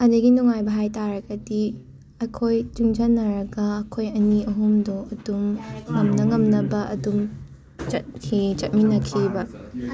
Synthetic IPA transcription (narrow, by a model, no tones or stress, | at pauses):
ɐdiɡinuŋajbɐɦajtaɾɐɡɐdi | ɐkʰojd͡ʒuŋd͡ʒanːɐɾɐɡɐːkʰojɐniɐɦumdoɐdumŋɐmnɐŋɐmnɐbɐʔɐ̰dum | t͡ʃɐt̚kʰit͡ʃɐt̚minɐkʰibɐ